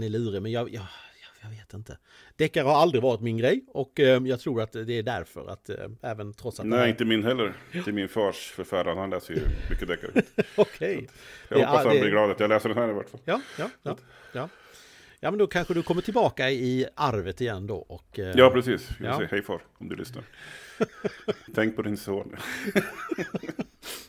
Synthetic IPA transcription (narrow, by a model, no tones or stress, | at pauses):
nɛɭʉ̟ːɾɪmɛnjɑjɑjɑjɑɡveːt̪ɪnt̪ʰə | d̪̥ɛkːaɾhaɾald̪ɾɪvɑːɾɪt̪mɪnɡɾɛjɔkːjɑːɡt̪ʰɾuːɾat̪d̪ɛːɖæɾfœ̰ɾa̰t̪ɛːvənt̪ʰɾɔt̪satnɛɪnt̪əmɪnːɦɛlːəɾʰɪmɪnfœːʂfœɾfæɾanhanlɛːsəɾj̰mʏkːəd̪ɛkːa̰ɾɔkʰɛjjɑhɔpaːasat̪ːmb̪ɪɾɡlɑːd̪at̪jɑaɡlɛːsəɖɛnhæːɾɪva̰ʈːfaljɑːjɑːj | jɑː | jɑːmɛnd̪ɔkʰanɧəd̪ɵkʰɔmːəʈʰɪlbɑːkaɪaɾvət̪ɪjɛnːd̪ɔ̰ʔɔkːjɑːpʰɾɛsiːssɛhɛjfœːɾɔmd̪ɵ̰lʏ̰sna̰ɾ | t̪ʰɛŋk̚pʰɔd̪ɪnsoːn